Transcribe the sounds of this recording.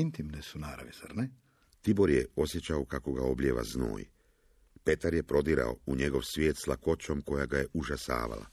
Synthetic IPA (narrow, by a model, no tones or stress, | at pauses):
int̪imnesunaːɾa̰ʋiza̰ɾnɛ | t̪ibo̞ɾjeo̞sje̞t͡ɕaokako̞ɡao̞bʎʲjeːʋa̰zno̰ːj | pe̞t̪aɾje̞pɾo̞d̪iɾa̰o̞̰uɲe̞ɡo̞ʋsʋje̞ːt̪slako̞t͡ʃo̞mko̞jaɡaje̞ʔuʒasa̰ːʋa̰la̰